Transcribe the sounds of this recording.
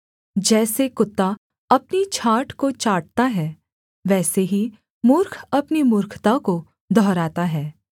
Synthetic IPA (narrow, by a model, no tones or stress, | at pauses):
d͡ʒɛːsekʊt̪ːa | ɐpnit͡ʃʰaːʈkot͡ʃaːʈ̚t̪aɦɛː | ʋɛːseɦi | mʊɾkʰɐpnimʊɾkʰt̪ako | d̪ʱɔːɾaːt̪aɦɛː